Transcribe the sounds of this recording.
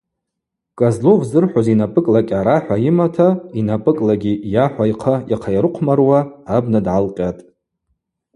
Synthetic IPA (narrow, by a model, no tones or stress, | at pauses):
kʼazlovzɨrħʷozinapʼɨkʼlakʲʼaɾaħʷaimatʰainapʼɨkʼlaɡʲijaħʷajqʰajaqʰajaɾɨqʷʰmarwaːbnadʕalqʲʼatʼ